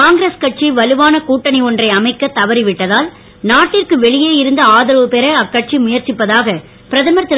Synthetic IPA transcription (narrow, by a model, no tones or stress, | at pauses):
kaːŋɡɾeskɐʈ̚t͡ʃiʋɐlɯʋaːnɐkuːʈːɐnɪɔndrɐɪɐmɐɪkːɐt̪ːɐʋɐɾɪʋɪʈːɐðaːl | naːʈːɪrkɯʋɛɭɪjeːjɪɾɯnd̪ɐaːðɐɾʋɯpɛɾɐɐkːɐʈ̚t͡ʃimʊjɐɾt͡ʃɪpːɐðaːɣɐ | pɪɾɐðɐmɐɾt̪ːɪ